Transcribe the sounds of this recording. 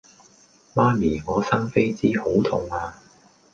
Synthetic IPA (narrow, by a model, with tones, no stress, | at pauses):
maː˥miː˨˩ŋɔː˨˧sɐ˥ŋfe˥jt͡siː˥ho˨˥wt̪ʰʊ˨ŋaː˧